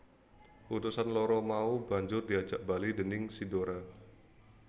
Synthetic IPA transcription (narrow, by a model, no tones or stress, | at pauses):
ʔut̪usanlɔɾɔmaubaɲd͡ʒʊrdiḁd͡ʒaʔ̚balidənɪŋsidoɾa